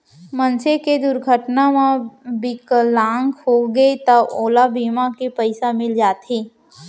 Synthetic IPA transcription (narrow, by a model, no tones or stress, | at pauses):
mɐ̃nseked̪ʊɾɡʱəʈnamãbɪklãːŋɡhoɡəet̪ɐboːlabiːmakepɐɪsamɪld͡ʒaːt̪ɦeː